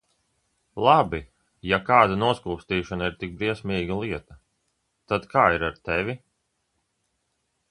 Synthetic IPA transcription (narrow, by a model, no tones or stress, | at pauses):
lˠabi | jakaːd̪anuɔskuːst̪iːʃanaiɾt̪ik̚bɾiɛsmiːɡalˠiɛt̪ɐ | t̪ad̪kʰaːiɾaɾt̪ɛvʲi